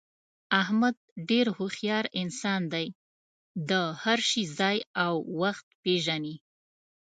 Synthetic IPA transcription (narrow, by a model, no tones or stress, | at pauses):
ahmad̪̚ɖeɾhoxjɑɾɪnsɑnd̪aj | d̪əhaɾʃizɑjawːaxt̪̚peʒani